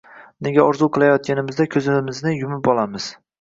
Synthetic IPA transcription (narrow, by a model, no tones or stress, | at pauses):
ne̞ɡʲaɒɾzuqʰɨlˠajɒt̪̚kʲanɪmɪzd̪akʲʰɵzɪmɪznɪjʊmɪpɒlˠamɪz̥